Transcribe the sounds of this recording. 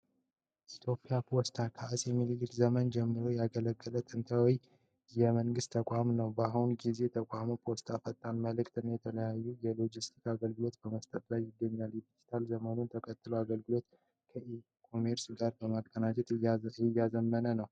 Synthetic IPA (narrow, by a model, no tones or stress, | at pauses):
ʔit̪ʰjo̞pʼːijapʰo̞st̪ʰakʰaʔsjɛmːilɨlɨlzəmənd͡ʒɛmːɨɾo̞jaɡələɡːələt̪ʰɨnt̪ʰəwj | jɛməŋɡɨst̪ʰːəkʷʼamnəwbaɦunɡize̞t̪ʰəkʼamopʰo̞st̪ʰafət̪ʼːanməlɨkt̪ʰɨnjɛt̪ʰələjajːujɛlo̞d͡ʒist̪ʰi̥kaɡəlɡɨlo̞t̪b̥əməst̪ʼət̪lajːɪɡːəɲːaljɛd̪id͡ʒit̪ʰalzəmənunt̪ʰəkʰʼət̪ʼːɨloaɡəlɡɨlo̞t̪ | kʰəʔi | kʰomeɾsɡaɾbəmakʼːənat͡ʃɛt̪ɪjːazəmːənənəw